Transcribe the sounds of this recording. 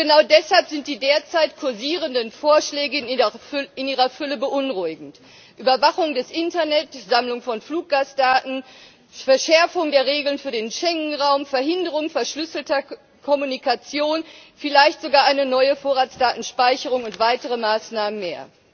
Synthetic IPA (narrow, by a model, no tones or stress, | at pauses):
ɡ̥ənaʊdɛshalpz̥ɪnt̚d̥iːdeːɐt͡saɪtkʰʊɐziːʁ̞əndənfoːɐʃlɛːɡə | ɪnʔiːʁɐfʏləbəʔʊnʁʊɪɡŋ̩t | ʔyːbɐvaχʊŋdɛsʔɪntɐnɛtz̥amlʊŋfɔnfluːk̚ɡ̥aːsd̥aːtn̩ | fɛɐʃɛɐfʊŋdeːɐʁeːɡl̩nfyːɐdeːnʃɛŋŋ̩ʁaʊmfɛɐhɪndəʁ̞ʊŋfɛɐʃlʏsl̩tɐ | kʰɔmunikat͡sjoːnfɪlaɪçtz̥oɡaːɐʔaɪnənɔʏəfoːɐʁaːt͡sd̥aːtn̩ʃpaɪçəʁʊŋʊntv̥aɪtəʁ̞əmaːsnaːmənmeːɐ